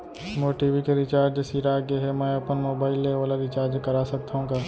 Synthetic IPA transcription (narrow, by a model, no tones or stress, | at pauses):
moːʈiːʋikeɾɪt͡ʃaːɾd͡ʒsiɾaːɡeɦɛmɛ̃ːɐpənmoːbaːɪlːeʋaːlaɾɪt͡ʃaːɾd͡ʒkɐɾaːsɐk̚t̪aɦũɡaː